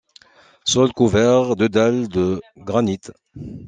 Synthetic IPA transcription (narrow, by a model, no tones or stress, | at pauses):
sɔlkuvɛʁd̪ød̪ɛld̪əɡʁanit̪